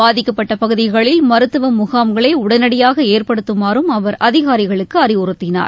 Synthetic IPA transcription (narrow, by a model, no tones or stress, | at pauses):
aːðɪkːɐpːɐʈːɐpɐɣɯðɪɣɐɭɪlmɐɾɯt̪ːɯʋɐmʊɣaːmɡɐɭeːʊɽɐnɐɽɪjaːɣɐeːrpɐɽɯt̪ːɯmaːɾɯmɐʋɐɾʔɐðɪɣaːɾɪɣɐɭɯkːɯɐrɪʊɾɯt̪ːɪna̰ːɾ